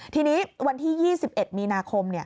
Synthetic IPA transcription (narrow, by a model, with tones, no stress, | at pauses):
t̪ʰiː˧niː˦˥wa˧nt̪ʰiː˥˩jiː˥˩si˨˩p̚ʔe˨˩t̪̚miː˧naː˧kʰo˧mni˥˩ɐ